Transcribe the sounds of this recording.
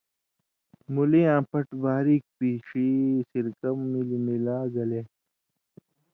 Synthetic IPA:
mulĩãːpɐʈbaːɾiːk̚piːʂiːsiɾkɐmːilimilaːɡɐle

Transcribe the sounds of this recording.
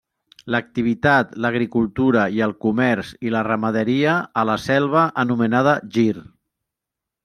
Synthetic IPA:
lək̚t̪iβ̞it̪at̪ləɣɾikulˠt̪uɾəiəlˠkumɛɾzilərəməðəɾiəːləsɛlˠβ̞əʔənumənaðəʒir

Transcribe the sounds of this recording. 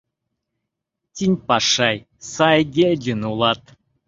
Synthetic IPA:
tʲinʲpɑʂaj | sajɡʲedʲinulˠɑt̪

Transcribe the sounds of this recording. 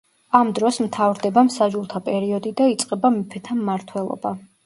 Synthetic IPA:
amd̪ɾɔsmt̪ʰavɾd̪ɛbamsaʒulˠt̪ʰapʼɛɾiɔd̪id̪ait̪sʼqʼɛbamipʰɛt̪ʰamːaɾt̪ʰwɛlˠɔ̰ba

